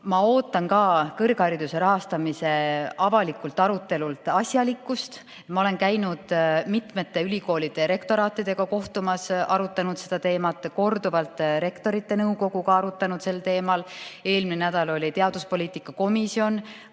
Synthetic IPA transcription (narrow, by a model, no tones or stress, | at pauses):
mɑo̞ːt̪ːˑɑnkɑːkɤrɡhɑɾid̪use̞ɾɑɦɑst̪ɑmise̞ɑvɑlikːˑult̪ːˑɑɾut̪ːˑe̞lult̪ˑɑsʲjɑlikːˑust̪ | mɑo̞le̞nkæjnud̪̥mit̪me̞t̪ːe̞ylʲiko̞ːlid̪̥e̞ɾe̞kt̪o̞ɾɑːt̪ːˑid̪̥e̞ɡ̥ɑko̞ht̪umɑsɑɾut̪ːˑɑnut̪se̞d̪ɑt̪e̞ːmɑt̪ːˑko̞rd̪uvɑlt̪ˑɾe̞kt̪o̞ɾit̪ːe̞nɤwko̞ɡ̥uɡɑɑɾut̪ːˑɑnud̪̥se̞lt̪e̞ːmɑle̞ːlminenæd̪̥ɑlo̞lʲit̪e̞ɑd̪̥uspolʲiːt̪ikːˑɑko̞misio̞n